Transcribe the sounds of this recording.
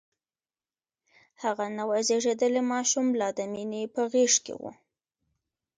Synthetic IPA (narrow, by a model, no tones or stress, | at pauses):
haɣanawazeʐed̪əlemɑʃumlɑd̪aminepəɣeʂkḛwṵ